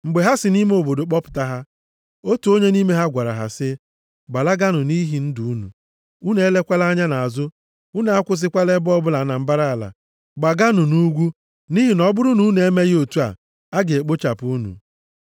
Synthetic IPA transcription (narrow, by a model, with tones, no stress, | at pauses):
ŋ͡m̩˨ɡ͡be˨ɦa˦sɪ˨ni˦me˦o˨bo˨do˨k͡pɔ˦pʊ̥˨ta˦ɦa˦ | o˦tu˨˦o˦ɲe˦ni˦me˦ɦa˦ɡʷa˨ɾa̰˨ɦa̰˨sɪ˦ | ɡ͡ba˨la˦ɡa˦nʊ˨ni˦ɦi˨n̩˦du˨u˦nṵ˨ | u˦ne˦e˦le˦kʷa˦la˦ɲa˦na˨a˨zʊ˦ | u˦ne˨a˦kʷʊ˦s̬ɪ˦kʷa˦le˦bɔ˦bʊ˦la˨˦na˨m̩˦ba˦ɾa˦˨a˨la̰˨ | ɡ͡ba˨ɡa˦nʊ˨nu˦ɡʷu˦ | ni˦ɦi˨nɔ˦bʊ˦ɾʊ˦nu˨u˦ne˦me˦ɣo˨tu˦a̰˨ | a˦ɡɪ˨e˨k͡po˦t͡ʃa˨pu˦nṵ˨